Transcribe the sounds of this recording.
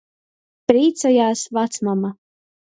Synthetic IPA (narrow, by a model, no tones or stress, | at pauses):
pɾiːt̪sajaːsvat̪smama